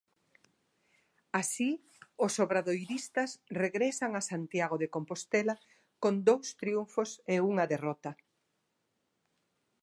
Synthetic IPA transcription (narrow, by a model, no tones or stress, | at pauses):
asi | osoβɾaðojɾist̪ɐsreɣɾesaŋasant̪jaɣoðekompost̪elɐ | kond̪owst̪ɾiuɱfoseuŋɐðerɔt̪ɐ